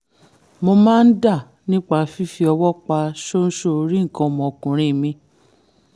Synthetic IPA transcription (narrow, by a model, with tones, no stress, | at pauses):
mo˧mãː˦n̩˦da˦˨ | nĩ˦k͡pa˦fi˦fi˧ɔ˧wɔ˦k͡pa˧ʃo˦n̩˦ʃo˦˧ɾi˦ŋ̩˨kã˧˨mɔ̃˨o˨kũ˨ɾ̃ĩ˨˦˨mĩ˧